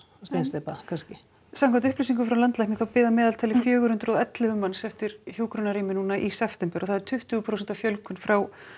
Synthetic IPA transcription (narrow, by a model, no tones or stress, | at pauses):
st̪ejnst̪epakʰanscɪ | samkʰant̪ʏhplisiŋk̬ʏfɾawlant̪lajhknɪθawpɪːðamɛːðalt̪ʰajlɪfjœːɣʏɾhʏnt̪ɾɔðɛt̪lɪvʏmansɛft̪ɪɾ̥çjuːkɾɔnaɾiːmɪnuːnaʔisɛft̪ɛmpɛɾɔɣθaðɛɾ̥t̪ʰʏht̪ʏɣʏpʰɾowsɛnt̪avfjœlkʏnfɾaw